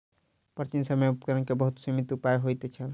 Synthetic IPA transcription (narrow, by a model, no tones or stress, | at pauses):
pɾət͡ʃinsəmeupkəɾənkebəɦut̪simit̪upajɦojt̪et͡ʃʰəl